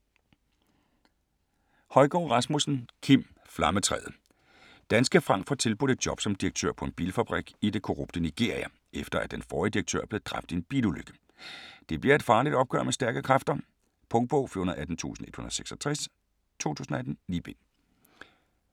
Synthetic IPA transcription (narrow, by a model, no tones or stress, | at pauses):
hɒ̽ɪɡ̥ɒ̰ːʁɑ̈smusn̩kʰim̰ | flɑ̈mət͡sʰʁɛ̰ːð̩ˠ | d̥ænsɡ̥əfʁɑ̈ŋ̰fɒt͡sʰe̝lb̥ude̝d̥̚jɒ̽b̥sɒ̽md̥iʁɐɡ̥̚t͡sʰø̰ɐ̰pʰɒ̽e̝nb̥ḭːlfæb̥ʁiɡ̥id̥e̝kʰo̝ʁob̥̚d̥əniɡ̥e̝̰ɐ̰iæ | efd̥ɐæd̥enfɒːid̥iʁɐɡ̥̚t͡sʰø̰ɐ̰b̥le̝ðˠd̥ʁɑ̈fd̥e̝nb̥iːluløɡ̥ə̥ | d̥e̝b̥liɐe̝d̥fɑ̈ːlid̥ɒ̽b̥ɡ̥œ̰ɐ̰mesd̥æɐɡ̥əkʰʁɑfd̥ɐ | pʰɔ̽ŋ̥̚b̥ɔʊfyɐnɐð̩ˠæd̥n̩t͡sʰṵːsn̩e̝d̥hunɐðˠseɡ̥sɒt͡sʰʁɛs | t͡sʰo̰ːt͡sʰṵːsn̩ɐædn̩nib̥en